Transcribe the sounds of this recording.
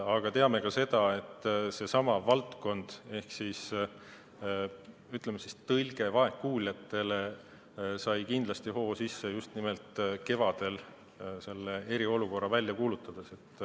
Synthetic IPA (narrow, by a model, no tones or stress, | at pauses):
ɑɡ̥ɑt̪e̞ɑme̞kɑse̞d̪̥ɑe̞t̪ːˑse̞sɑmɑvɑlt̪ko̞nd̪̥e̞hksis | yt̪ˑlemesist̪ɤlʲɡ̥e̞vɑe̞kːuːlʲjɑt̪ːˑe̞le | sɑjkind̪̥lɑst̪iho̞ːsisːejust̪nime̞lt̪ke̞vɑd̪̥e̞l | se̞lːe̞e̞ɾio̞luko̞rːɑvælʲjɑkuːlut̪ːˑɑd̪̥ese̞t̪ːˑ